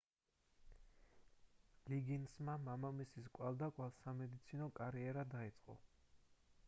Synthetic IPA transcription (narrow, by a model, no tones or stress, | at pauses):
liɡinsmamamamisiskʼwalˠd̪akʼwalˠsamɛd̪it̪sʰinɔkʼaɾiɛɾad̪ait̪sʼqʼɔ̰